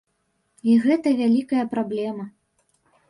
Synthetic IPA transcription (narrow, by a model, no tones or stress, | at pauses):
iɣɛt̪ɐvʲalʲikɐjɐpɾablʲɛmɐ